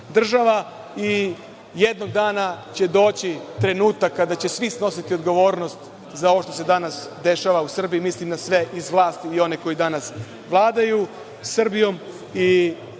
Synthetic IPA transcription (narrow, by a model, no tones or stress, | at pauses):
d̪r̩ʒaʋa | i | je̞d̪no̞ɡ̚d̪aːnat͡ɕe̞d̪o̞ːt͡ɕit̪ɾe̞nuːt̪akːad̪at͡ɕe̞sʋisno̞sit̪io̞d̪ɡo̞ʋo̞ːɾno̞st̪ | zao̞ʋoʃt̪o̞se̞d̪anasd̪e̞ʃaʋausr̩biimislimd̪asʋe̞ʔizʋlˠaːst̪iio̞ne̞ko̞jid̪anas | ʋlˠaːd̪aju | sr̩bijo̞m | i